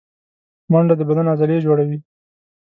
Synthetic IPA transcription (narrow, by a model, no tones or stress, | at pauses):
maɳɖad̪əbad̪anazaled͡ʒoɽawi